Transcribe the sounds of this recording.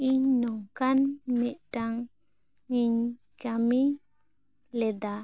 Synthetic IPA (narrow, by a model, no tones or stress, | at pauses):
iɲnɔŋkanmɛʔʈaŋ | iɲ | d͡ʒami | lɛd̪a